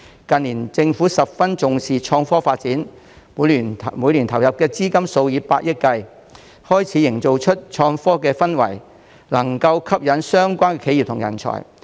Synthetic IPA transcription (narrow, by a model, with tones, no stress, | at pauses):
kɐ˨nliː˨˩nt͡sɪ˧ŋfuː˨˥sɐ˨p̚fɐ˥nt͡sʊ˨ŋsiː˨t͡ʃʰɔː˧ŋfɔː˥faː˧t̚t͡siː˨˥n˨˧˨ | muː˨˧jliː˨˩nt̪ʰɐ˨˩wjɐ˨p̚kɛː˧t͡siː˥kɐ˥mso˧wjiː˨˥pa̰ː˧t̚jɪ˥t̚kɐ˧j | hɔː˥jt͡sʰiː˨˥jɪ˨˩ŋt͡so˨wt͡ʃʰɵ˥t̚t͡ʃʰɔː˧ŋfɔː˥kɛː˧fɐ˥nwɐ̰˨˩j | lɐ˨˩ŋkɐ˧wkʰɐ˥p̚jɐ˨˥nsœː˥ŋkʷaː˥nkɛ˧kʰe˨˧˥ji˨p̚t̪ʰʊ˨˩jɐ̰˨˩nt͡ʃʰɔ̰ː˨˩j